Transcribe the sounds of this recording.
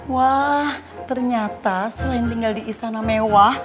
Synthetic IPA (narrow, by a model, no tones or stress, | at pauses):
wah | t̪ərɲat̪asəlaɪnt̪iŋɡaldiʔist̪anamewah